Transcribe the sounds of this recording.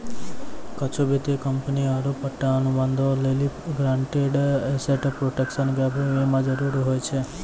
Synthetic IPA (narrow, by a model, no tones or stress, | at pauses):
kət͡ʃʰobet̪ekəmpəniaɾopːəʈːaənuband̪ʱoleliɡɾãɳʈeɖeseʈpɾoʈekʃənɡabʱuemãd͡ʒəɾuɾiɦojt͡ʃʰe